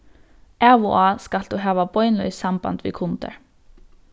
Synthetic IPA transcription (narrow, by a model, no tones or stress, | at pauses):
ɛṵɑːskɑld̪̥uːɦæːʋabɔʏnlœ̰ʏsɑmbɑ̰nt̪ʋɪ̰kʰʊnt̪ə̰ɹ